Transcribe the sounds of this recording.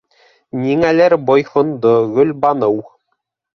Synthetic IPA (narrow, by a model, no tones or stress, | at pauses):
nʲiŋælæɾbojχɤ̆nd̪ɤ̆ɣɵ̆lʲbɑnɤ̆w